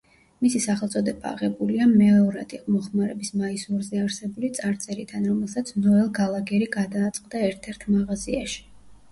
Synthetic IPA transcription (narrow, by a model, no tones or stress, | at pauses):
misisaχɛlˠt̪sʼɔd̪ɛba̰ːʁɛbuliamɛɔɾa̰d̪iqʼɔmɔχmaɾɛbismaisuɾzɛaɾsɛbulit̪sʼaɾt̪sʼɛɾid̪ʰanɾɔmɛlˠsat̪sʰnɔɛlˠɡalˠaɡɛɾiɡad̪aːt̪sʼqʼd̪aɛɾt̪ʰɛɾt̪ʰmaʁaziaʃi̥